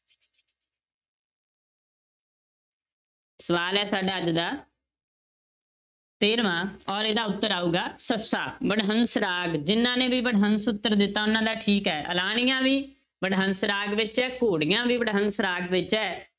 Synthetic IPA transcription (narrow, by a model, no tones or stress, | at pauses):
səʋaːlɛːsaːɖaːəd͡ʒd̪aː | t̪eːɾmãːɔːɾeːd̪aːʊt̪ːəɾaːuːɡaːsəsaːbəɽɦənsɾaːɡd͡ʒɪnːãːnẽːbiːbəɽɦənsʊt̪ːəɾd̪ɪt̪ːaːʊnãːd̪aːʈʰiːkɦɛːʔə̰laːɳ̃ɪjãːʋiː | bəɽɦənsɾaːɡʋɪt͡ʃɛːkʰoːɽɪjãːbiːbəɽɦənsɾaːɡʋɪt͡ʃɛː